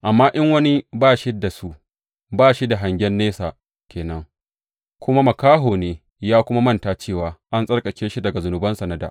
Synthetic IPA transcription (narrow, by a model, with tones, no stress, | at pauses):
ʔa˨mːaː˦ʔɪ˦ŋwɐ˦ni˦baː˦˨ʃi˦da˨su˦ʔ | baː˦˨ʃi˦da˨ɦa˨ŋɡʲɛ˦nːeː˦saː˨ | kʲʰeː˨nɐ˦ŋ | kʷʊ˦ma˦mɐ˨kaː˦ɦoː˨neː˦ | jaː˦kʷʊ˦ma˦mɐ˦ntaː˨t͡ʃeː˦˨waː˨ʔa˦nsʼɐ˦rkʼɐ˨kʲeː˦ʃi˦dɐ˨ɡa˨zʊ˨nʊ˨bɐ˦nsɐ˨nɐ˦da̰˨ʔ